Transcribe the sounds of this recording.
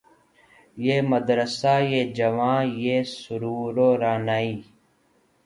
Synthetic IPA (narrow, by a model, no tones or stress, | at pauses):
jeːməd̪ɾəsaːjeːd͡ʒəʋãːjeːsʊɾuːɾoːɾaːnaːiː